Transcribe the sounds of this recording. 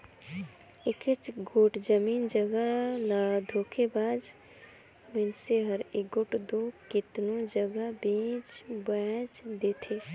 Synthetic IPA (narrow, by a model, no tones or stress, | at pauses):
ɪkɪt͡ʃɡoːʈd͡ʒəmiːnd͡ʒəɡəlad̪ʱoːkʰebaːd͡ʒ | mənseɦəɾɪɡoːʈd̪okɪt̪nod͡ʒəɡəbĩːt͡ʃbət͡ʃd̪eːt̪ʰeː